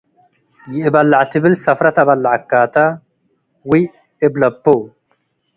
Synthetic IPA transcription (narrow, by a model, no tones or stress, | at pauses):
jiːbɐlːaʕt̪ʰibilsɐfɾɐt̪ɐbɐlːaʕakːaːt̪ɐ | wi | ɪblɐpːo